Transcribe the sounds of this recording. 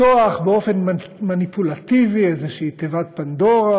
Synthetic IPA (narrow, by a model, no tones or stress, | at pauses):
oaχbeo̞fenmanipulat̪iviezeʃeit̪evat̪̚pand̪oʁa